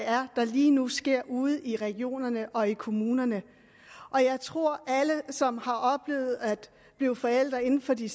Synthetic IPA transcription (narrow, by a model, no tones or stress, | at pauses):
æɐd̥ɑ̈liːnusɡ̥e̝ɐ̰uːð̞̩ˠiʁɛɡ̥jo̝̰ːnɐnəʔɒ̽ikʰo̝muːnɐnə | ʔɒ̽jɑ̈ɪt͡sʰʁo̝ɐ̰æləsɒ̽mhɑ̈ʔɒ̽b̥le̝̰ːʊð̞̩ˠæd̥ | b̥liʊfɒ̽el̰d̥ʁɐe̝n̩fɒ̽d̥i